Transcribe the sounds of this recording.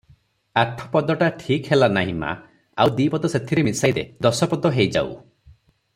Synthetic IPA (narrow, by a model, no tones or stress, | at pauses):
aʈʰɔ̥pɔd̪ɔʈaʈʰikɦelanaɦima̰ | awd̪ipɔd̪ɔset̪ʰiɾemisajɾed̪ɔsɔpɔd̪ɔɦejd͡ʒa̰ṵ